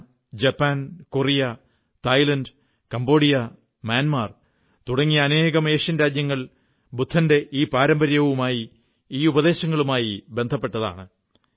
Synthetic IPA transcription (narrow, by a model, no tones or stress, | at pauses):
d͡ʑɐpːaːnkorijɐ | t̪ɐjlɐndɨ | kɐmbo̞ːɽijɐ | mjaːnmaːr | t̪uɽɐŋːijɐːne̞ːɣɐme̞ːʂjɐnɾaːd͡ʑjɐŋːɐɭ | bud̪ʰʱːɐnde̞ʔiːpaːɾɐmbɐɾjɐʋumaːji | iːubɐðe̞ːɕɐŋːɐɭumaːjibe̞nd̪ʱɐpːe̞ʈːɐða̰ːɳɨ